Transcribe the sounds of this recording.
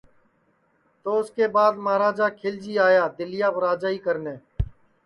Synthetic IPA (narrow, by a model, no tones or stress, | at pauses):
t̪oːʊskeːbaːd̪maːɾaːd͡ʒaːkʰɪːld͡ʒiːaːjaːd̪ɪlɪjaːbɾaːd͡ʒaːiːkəɾneː